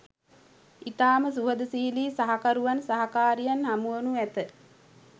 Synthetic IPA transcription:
it̪aːməsuɦəd̪əsiliːsaɦakaɾuʋansaɦakaːɾijanɦamuwənuæt̪ə

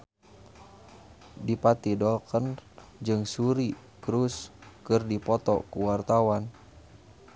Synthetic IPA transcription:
dipat̪idɔlkənd͡ʒɨŋsuɾi | kɾuskɨrdipɔt̪ɔ̰kuwart̪awan

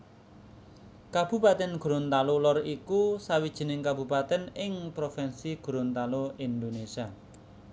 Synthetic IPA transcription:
kab̥ṳpat̪ɛnɡ̥uɾont̪alolɔrikusawid̥ʒ̥i̤nɪŋkabṳpat̪ɛnɪŋpɾofɛnsiɡ̥uɾont̪aloind̪onesia

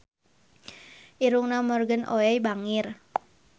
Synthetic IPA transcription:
ʔiɾuŋnamɔrɡənoɛjbaŋɪr

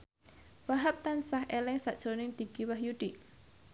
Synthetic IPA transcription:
waɦap̚t̪ansahʔelɛŋsaʔd̥ʒ̥o̤nɪŋd̪̥iɡ̥iwahjuɖ̪̥iʔ

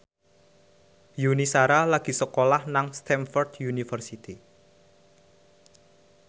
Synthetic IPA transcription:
junisaɾalaɡ̥i̤səkolahnaŋst̪ɛnfɔrd̪junifərsit̪i

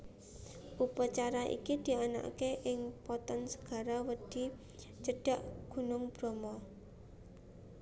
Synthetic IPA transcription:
ʔupat͡ʃaɾaʔḭkid̪̥i̤ana̰ʔkeʔɪŋpɔt̪ɔnsə̥ɡ̥a̤ɾawəd̪̥i̤ | t͡ʃəɖ̥a̤ʔɡ̥ṳnʊŋb̥ɾɔmɔ

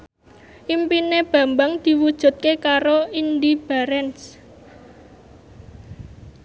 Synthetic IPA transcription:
ʔimpineb̥ä̤mbaŋd̪̥i̤wud̥ʒ̥ṳt̪̚kekaɾoind̪ib̥a̤ɾɛns

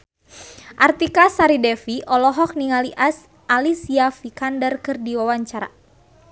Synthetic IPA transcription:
ʔart̪ikasaɾidɛfiʔɔlɔɦɔk̚niŋaliʔas | ʔalisiafikandərkɨrdiwawaɲt͡ʃaɾa̰

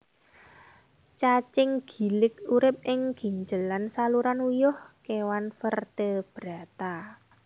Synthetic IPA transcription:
t͡ʃat͡ʃɪŋɡ̥i̤lɪk̚uɾɪp̚ɪŋɡ̥i̤ɲd͡ʒəlansaluɾanujʊhkewanfərt̪əb̥ɾa̤t̪a

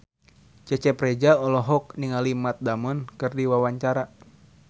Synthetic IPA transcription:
t͡ʃɛt͡ʃɛpɾɛd͡ʒaɔlɔɦɔk̚niŋalimat̪̚damɔnkɨrdiwawaɲt͡ʃaɾa

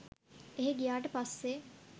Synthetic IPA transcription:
eɦeɡijaːʈəpasːe

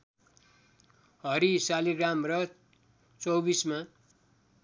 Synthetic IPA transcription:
ɦʌɾisaliɡramrʌ | t͡sʌwbisma

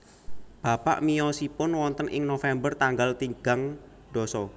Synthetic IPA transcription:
b̥a̤pa̰ʔmijɔsipʊnwɔnt̪ənʔɪŋnofɛmbərt̪aŋɡalt̪iŋɡ̥aŋ | ɖ̪̥ɔsɔ

